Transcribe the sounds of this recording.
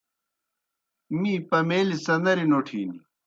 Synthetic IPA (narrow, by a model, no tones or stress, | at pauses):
mĩːpɐmeːlisɐnd̪ɐɾinoːʈʰḭːni